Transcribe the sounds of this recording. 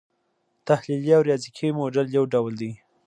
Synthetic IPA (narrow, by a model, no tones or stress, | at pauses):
t̪ahliljawɾjɑzikʰimoɖaljawɖawld̪i